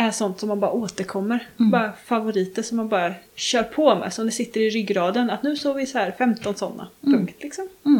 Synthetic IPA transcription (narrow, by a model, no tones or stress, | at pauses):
ɛʂɔnt̪sɔmːanbɑːɾaoːt̪əɾkʰɔmːəɾbɑːɾafavʊɾiːt̪əsɔmːanbœːɾjaɾɕœːɾpʰɔmɛ̰ːsɔmd̪ɛsɪt̪ːəɾɪɾʏɡːɾɑːd̪ənat̪nʉ̟ːsoːvɪsɔhæːɾfɛmt̪ɔnsɔnːa̰pʰɵŋkt̪ʰlɪksɔm